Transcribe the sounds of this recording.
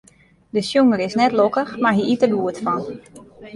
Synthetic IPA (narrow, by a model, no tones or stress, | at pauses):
dəsjuŋəɾɪsnɛtlokəxmaɹɦiʔitəbuətfɔn